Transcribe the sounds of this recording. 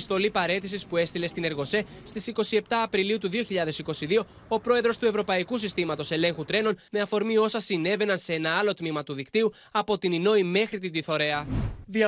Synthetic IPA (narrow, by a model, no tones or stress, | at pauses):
st̪o̞lipɐɾe̞t̪isispue̞st̪ile̞st̪ine̞ɾɣo̞se̞st̪isiko̞sie̞p̚t̪ɐːpɾiliut̪uðio̞çiʎɐðe̞siko̞siðio̞ | opɾo̞e̞ðɾo̞st̪ue̞vɾo̞pɐikusist̪imɐt̪o̞se̞le̞ŋxut̪ɾe̞no̞nme̞ɐfo̞ɾmio̞sɐsine̞ve̞nɐnse̞e̞nɐɐlo̞t̪mimɐt̪uðikt̪iu | ɐpo̞t̪inino̞ime̞xɾit̪id̪iθo̞ɾe̞ɐðiɐ